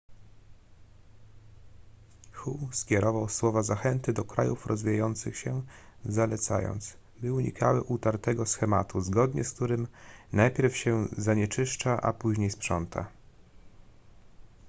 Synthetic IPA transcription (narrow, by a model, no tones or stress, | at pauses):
xuskʲjɛɾɔvawswɔvazaxɛnt̪ɘd̪ɔkɾajufɾɔzvʲijajɔnt̪sɘxɕɛzalɛt̪sa̰jɔ̰nt̪s | bɘuɲḭkʰawɘʔut̪aɾt̪ɛɡɔsxɛmat̪uzɡɔd̪ɲɛ̰sk̚t̪uɾɘmnajpʲjɛɾfɕɛzaɲɛt͡ʂɘʂt͡ʂaʔa̰puʑɲejspʂɔnt̪ʰa̰